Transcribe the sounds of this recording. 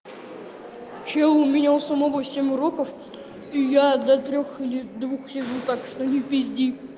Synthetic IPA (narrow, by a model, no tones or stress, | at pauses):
t͡ɕelˠʊmʲɪnʲalˠsəmɐvosʲemʲʊɾokəf | ijad̪ɐt̪ɾʲoxilʲɪd̪vuxsʲɪʐut̪akʂt̪onʲɪpʲɪzʲdʲi